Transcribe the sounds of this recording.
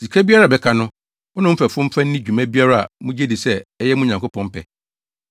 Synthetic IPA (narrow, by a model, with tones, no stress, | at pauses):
si˨kʰæ˦bi˦a˦ɾa˨bɛ˨kʰa˨nʊ̃˦ | wʊ˦nʊ̃˦m̩˦fɛ˨fʊ̃˦m̩˦fã˦nː˦ĩ˦d͡ʑᶣu˨mæ̃˦bi˦a˦ɾa˦a̰˨mũ˦d͡ʑe˦di˨sɛ˦ɛ˦jɛ˦mũ˦ɲã˨ŋko˦pʰɔ̃˦m̩˦pʰɛ̰˨